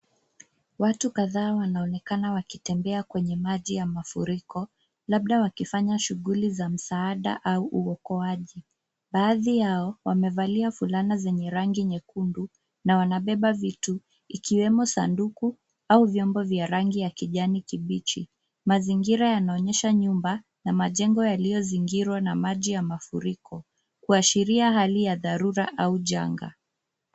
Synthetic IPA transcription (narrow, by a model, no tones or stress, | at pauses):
watukaðaːwanaɔnɛkanawakitɛmbɛakwɛɲɛmaʄijamafuɾikɔ | laɓɗawakifaɲaʃuɣulizam̩saaɗa̰ʔauʔuɔkɔaʄi | ɓaːðijaɔwamɛvaliafulanazɛɲɛɾaŋɡiɲɛkundu | nawanaɓɛɓavitu | ikiwɛmɔsa̰nduku | auvjɔmbɔvjaɾaŋɡijakiʄanikiɓit͡ʃḭ | maziŋɡiɾajanaɔɲɛʃaɲumba | namaʄɛŋɡɔjalijɔziŋɡiɾwanamaʄijamafuɾikʰɔ | kuaʃiɾiaɦalijaðaɾuɾaʔauʄa̰ŋɡa̰